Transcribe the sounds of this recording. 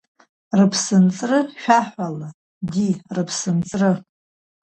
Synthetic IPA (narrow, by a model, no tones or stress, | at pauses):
rɨpʰsɨnt͡sʼrɨʃᶣaħʷala | dirɨpʰsɨnt͡sʼrɨ